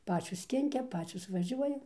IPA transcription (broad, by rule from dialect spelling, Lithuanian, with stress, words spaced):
ˈpɑːt͡ʃʲoːs ˈkʲɪŋʲkʲɛ ˈpɑːt͡ʃʲoːs ʋɐˈʒʲuɔjɛ